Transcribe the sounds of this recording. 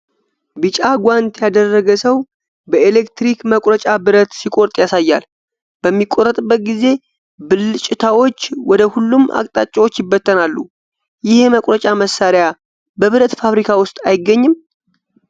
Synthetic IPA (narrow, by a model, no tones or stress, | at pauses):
bɨt͡ʃʼaɡʷant̪jad̪ərːəɡəsəw | bəelekt̪ɾikməkʼɾət͡ʃʼabɨɾət̪sikʼo̞ɾt̪ʼjasajːal | b̥əmːikʼːo̞ɾrːət̪ʼbːət̪̚ɡize̞ | bɨlːɨt͡ʃʼɪt̪ʰawo̞t͡ʃːwɔd̪əhulːumʔa̰kʼt̪ʼat͡ʃʼːawo̞t͡ʃːjɪbːət̪ʰːənalːṵ | jɪhe̞məkʼɾət͡ʃʼaməsːaɾja | bəβɨɾət̪faβɾikʰawʊst̪ʼajɪɡːəɲːɨm